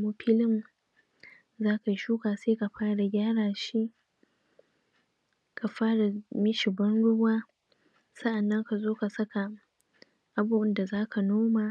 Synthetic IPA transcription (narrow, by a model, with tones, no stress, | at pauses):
mu˦ɸʰɪ˦lɪ˦m | zaː˦ka˨˦ʃuː˦kaː˨seː˦ka˨ɸaː˦ɽa˨ɡʲaː˦ɽaː˨ʃi˦ | kʰa˨ɸaː˦ɽa˨mɪ˦ʃi˨bɐ˦nɽʊ˦waː˦ | sɐ˦ʔa˨nːɐ˦ŋka˨zoː˦ka˨sɐ˦ka˨ | ʔa˨buː˦ʔɪ˦nda˨zaː˦kʰa˨noː˦maː˨